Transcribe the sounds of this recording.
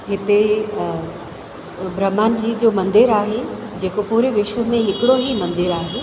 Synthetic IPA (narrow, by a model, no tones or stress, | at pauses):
ɦɪt̪e | bɾəmːaːnd͡ʑiːd͡ʑoːmɐ̃nd̪ɪɾaːɦed͡ʑeːkopuːɾeʋɪʃʋəmẽɦɪkɪɽoɦimɐ̃nd̪ɪɾaːɦeː